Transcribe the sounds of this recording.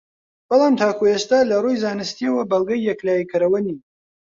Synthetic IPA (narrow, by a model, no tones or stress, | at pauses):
b̥ɑlˠɑːmt̪ʰaːkuest̪aːlɐrujzaːnɨst̪iəwɐbɐlˠɡɐjːɛklaːjikʰɨɾɐwɐniː